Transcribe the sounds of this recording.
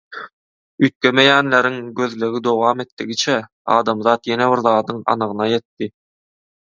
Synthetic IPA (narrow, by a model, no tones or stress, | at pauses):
yt̪̚kʲemejæːnleɾiŋɡø̞ðleɣid̪o̞wɑːme̞t̪ːiɡit͡ʃʰæ | ɑ̰ːd̪ɑmðɑːt̪je̞neβiɾðɑːd̪ɯŋɑ̰nɯʁɯnɑje̞t̪ːi